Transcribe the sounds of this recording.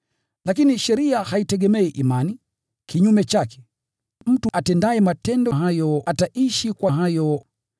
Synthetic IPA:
lakiniʃɛɾiahaitɛɠɛmɛɛʔimani | kiɲumɛt͡ʃakɛ̥ | m̩tuʔatɛndaɛmatɛndɔɦajɔataʔiʃikwaɦajɔ

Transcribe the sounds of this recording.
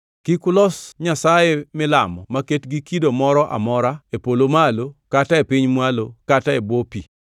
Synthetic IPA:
kikʊlɔsɲasajemɪla̰mɔ̰maketɡikidomɔɾɔʔa̰mɔɾaepolomalokataepɪɲmwalokataebwopi

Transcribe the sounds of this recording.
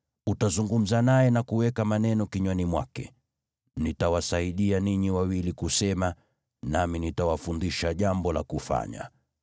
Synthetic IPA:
utazuŋɡum̩zanajɛnakuwɛkamanɛnɔkiɲwanimwakɛ̰ | nitawasaiɗianiɲiwawilikusɛma | naminitawafundiʃaʄambɔlakufa̰ɲa̰

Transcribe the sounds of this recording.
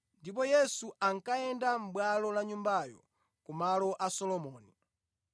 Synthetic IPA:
ndip̬ɔjɛsuaŋkajɛndam̩ɓwalɔlaɲumbajɔ̰ | kumalɔʔasɔlɔmɔːni

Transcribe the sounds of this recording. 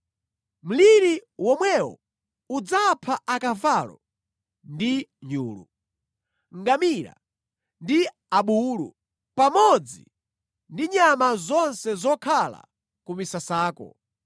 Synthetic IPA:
m̩liɾiwɔmwɛwɔ̰ | ud͡zapʰaʔakavalɔ̰ | ndiɲuːlṵ | ŋɡamiɾa̰ | ndi | aɓuːlṵ | pamɔd͡zḭ | ndiɲamazɔnsɛzɔkʰala̰ | kumisasaːkɔ̰

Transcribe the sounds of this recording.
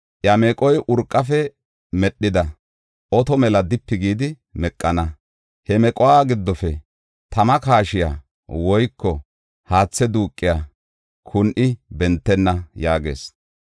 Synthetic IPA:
ʔjɐmɛkʼɔjʔʊɾkʼːɐfɛ | mɛɗːɪd̪ɐ | ʔɔt̪ɔmɛlɐd̪ɪpːɪɡiːd̪ɪ | mɛkʼːɐnɐ | hɛmɛkʼɔwaːɡɪd̪ːɔfɛ | t̪ɐmɐkaːʃɪja̰ː | wɔjkːɔ | haːt͡sːɛd̪uːkʼːɪjaː | kʰʊnʔɪbɛnt̪ːɛnːɐjaːɡe̞̰ːs

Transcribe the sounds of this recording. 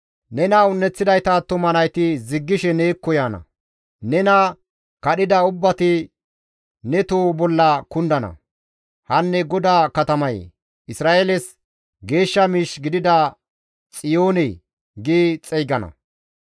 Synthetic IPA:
nɛnɐʊnːɛt͡sːɪd̪ɐjt̪ɐt̪ːʊmɐnɐjt̪ɪzɪɡːɪʃɛneːkːɔjaːnɐ̰ | nɛnɐ | kɐɗɪd̪ɐʊbːɐt̪ɪ | nɛt̪oːbɔlːɐkʊnd̪ɐnɐ̰ | hɐnːɛɡɔd̪aːkɐt̪ɐmɐj | ʔɪsɾaːʔelɛs | ɡe̞ːʃːɐmiːʃɡɪd̪ɪd̪ɐ | t͡sʼɪjo̞ːnɛ | ɡit͡sʼɛjɡɐnɐ̰

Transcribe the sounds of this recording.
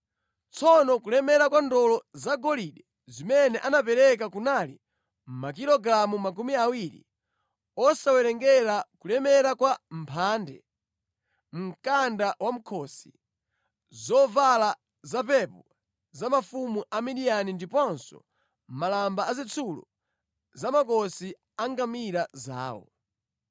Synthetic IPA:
t͡sʰɔnɔkulɛmɛɾakwandɔlɔzaɡɔliɗɛ | zimɛnɛʔanapɛɾɛk̬akunaːli | m̩mak̬ilɔɡɾamumak̬umiawiɾḭ | ɔsawɛɾɛŋɡɛɾakulɛmɛɾakwam̩pʰaːndɛ̰ | m̩kandawam̩kʰɔːsi̥ | zɔvala | zapɛpɔ | zamafumuʔamiɗianindipɔnsɔ̰ | malambaazit͡sʰulɔ̰ | zamakɔsi | aŋɡamiɾaza̰ːwɔ̰

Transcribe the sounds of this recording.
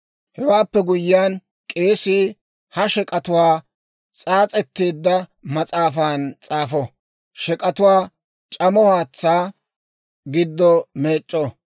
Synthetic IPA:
hɛwaːpːɛɡʊjːɪjaːn | kʼe̞ːsiː | hɐʃɛkʼɐt̪ʊwaː | t͡sʼaːt͡sʼɛt̪ːeːd̪ːɐmɐt͡sʼaːfaːnt͡sʼaːfɔ | ʃɛkʼɐt̪ʊwaː | t͡ʃʼɐmɔhaːt͡sːaː | ɡɪd̪ːɔme̞ːt͡ʃʼːɔ

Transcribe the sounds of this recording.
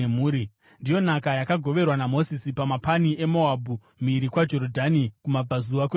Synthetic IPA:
muːɾi | ndijo̞nakajakaɡʱo̞ʋe̞rwanamo̞sisipamapaniʔe̞moabʱu | miɾikwad͡ʒo̞ɾodʱanikumab͡vazuwake

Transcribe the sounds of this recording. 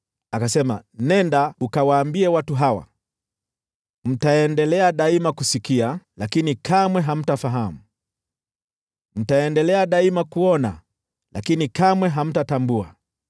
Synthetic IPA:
akasɛma̰nɛndaukawaːmbiɛwatuɦawa̰ | m̩taɛndɛlɛaɗaimakusikialakinikʰamwɛɦam̩tafaɦamu | m̩taɛndɛlɛaɗaimakuɔna̰ | lakinikamwɛɦam̩tatambua̰

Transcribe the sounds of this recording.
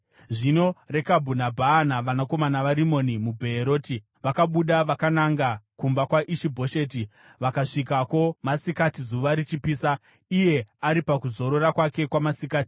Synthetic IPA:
ʐino̞re̞kabʱunabʱaːnaʋanako̞manaʋaɾimo̞nimubʱeːɾo̞ːti | ʋakaɓuɗaʋakanaŋɡakumbakwaʔiʃibʱo̞ʃe̞ːti | ʋakaʂikako̞masikatizuʋaɾit͡ʃipiːsa | ije̞aɾipakuzo̞ɾo̞ɾakwake̞kwamasikaːti̥

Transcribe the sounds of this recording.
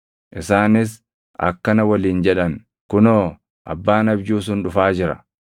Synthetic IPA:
ʔɪsaːnɪs | ʔɐ̰kːɐnɐwɐliːnd͡ʒɛᶑɐn | kʊnoː | ʔɐ̰bːaːnɐbjuːs̬ʊnᶑʊfaːd͡ʒɪɾɐ̰

